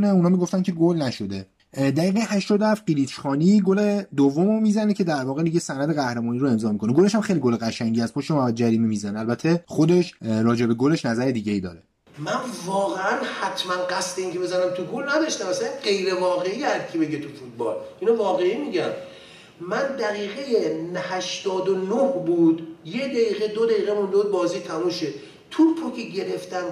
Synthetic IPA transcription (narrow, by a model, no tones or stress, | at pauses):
neunɒːmiɡo̞ft̪æncʰeɡolnæʃo̞d̪e | d̪æɣiːɣæhæʃt̪ɒd̪ohæft̪̚ɢiɾiːt͡ʃxɒːniɡoled̪ovːomomiːzænecʰe̞d̪æɾvɒːɣed̪iɟesænæd̪eɣæhɾemɒːniɾoe̞mzɒːmikʰo̞neɡo̞le̞ʃhæmxejliɡo̞leɣæʃæŋɟiæspʰoʃt̪emaæd̪d͡ʒæɾiːmemiːzæneælbæt̪ʰːe̞χo̞d̪e̞ʃɾɒːd͡ʒe̞be̞ɡole̞ʃnæzæɾed̪iːɟeiːd̪ɒ̰ːɾe | mænvɒːɣeænhæt̪ʰmænɢæst̪eiːŋcʰebe̞zænæmt̪ʰuɡulnæd̪ɒʃt̪æmæsæɢe̞jɾe̞vɒːɣe̞iːhæd̪̚kʰebe̞ɟet̪ʰufut̪̚ʰbɒːlʔinovɒːɣe̞imiɟæm | mænd̪æɣiːɣejenhæʃt̪ɒːd̪onohbuːd̪jed̪æiːɣed̪od̪æiːɣemund̪od̪̚bɒːziːt̪ʰæmuʃe | t̪ʰupʰokʲʰeɟe̞ɾeft̪æn